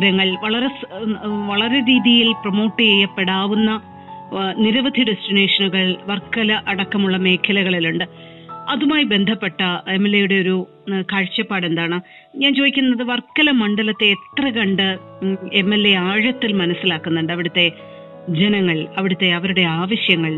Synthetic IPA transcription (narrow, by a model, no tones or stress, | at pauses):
ɾɐŋːɐɭʋɐɭɐɾe̞sʋɐɭɐɾe̞ɾiːðijilprɐmo̞ːʈːɨjejːɐpːe̞ɽaːʋunːɐ | niɾɐʋɐd̪ʱiɖesʈine̞ːʂɐnuɣɐɭʋɐrkːɐlɐʔɐɽɐkːɐmuɭːɐme̞ːkʰɐlɐɣɐɭiluɳɖɨ | ɐðumaːjibe̞nd̪ʱɐpːe̞ʈːɐemːelːe̞juɽe̞o̞ɾu | kaːɻt͡ɕːɐpːaːɽe̞nd̪aːɳɨ | ɲaːnt͡ɕo̞ːðikʲːunːɐðɨʋɐrkːɐlɐmɐɳɖɐlɐt̪ːe̞ːt̪rɐɣɐɳɖɨ | emːelːe̞aːɻɐt̪ːilmɐnɐsːilaːkːunːuɳɖɨɐʋiɽut̪ːe̞ | d͡ʑenɐŋːɐɭɐʋiɽut̪ːe̞ɐʋɐɾuɽe̞aːʋɐɕjɐŋːɐɭ